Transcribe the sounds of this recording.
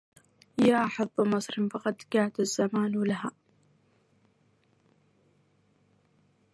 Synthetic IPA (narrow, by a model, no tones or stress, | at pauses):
jaːʔħɑðˤːmɑsˤɾɪnfɑqɑd̪ɡaːʕd̪azːamaːnwlaɦaː